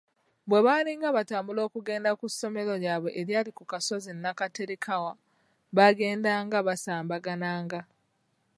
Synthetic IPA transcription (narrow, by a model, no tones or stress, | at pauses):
βwe̞βaːliŋɡaβataːmbulo̞ːkuɡe̞ːndakusːo̞me̞lo̞jaːβwe̞ʔeɾjaːlikukaso̞zinːakateɾekʰawa | βaɡe̞ːndaːŋɡaβasaːmbaɡanaːŋɡa